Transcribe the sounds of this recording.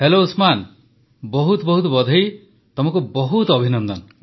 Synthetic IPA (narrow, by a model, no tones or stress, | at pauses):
helousman | bɔɦut̪ɔbɔɦut̪̬ɔbɔd̪ʱɔj | t̪ɔmɔŋkubɔɦut̪ɔbʱinɔnd̪ɔn